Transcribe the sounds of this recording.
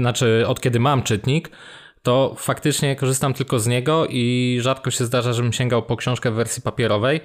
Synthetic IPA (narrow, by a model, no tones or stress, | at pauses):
nat͡ʂɘɔt̪kʲɛd̪ɘmamt͡ʂɘt̪ɲik | t̪ɔfakt̪ɘt͡ʂɲɛkɔʐɘst̪amt̪ɘlkɔzɲɛɡɔʔiʐat̪kɔɕɛzd̪aʐaʐɛbɘmɕɛŋɡawpɔkɕɔ̃w̃ʂkɛvːɛɾsʲjipapʲɛɾɔvɛj